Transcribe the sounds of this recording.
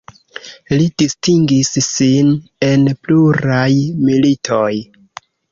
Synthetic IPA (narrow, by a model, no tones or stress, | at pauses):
lidistiŋɡisːine̞npluɾajmilitʰoj